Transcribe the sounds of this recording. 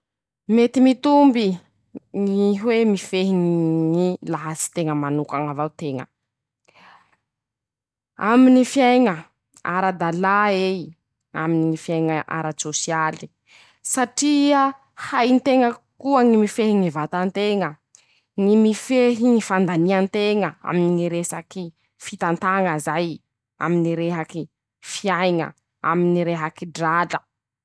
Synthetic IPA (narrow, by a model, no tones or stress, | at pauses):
met̪imit̪umbi | ŋiɦwemifeɦiŋŋilaɦasi̥t̪eŋəmanukaŋavawt̪eŋə̰ | aminifjajŋə | a̰ɾad̪alae | a̰miniifjajŋəʔa̰ɾat͡sosiali̥ | saʈ͡ʂia | hajnt̪eŋəkuəŋimifeɦiŋivat̪ant̪eŋə | ŋimifeɦiŋifand̪aniant̪eŋəa̰miniŋiɾesaki | fit̪ant̪aŋəzaj | a̰miniɾeɦaki | fiajŋə̰ | a̰miniɾeɦakiɖ͡ʐalə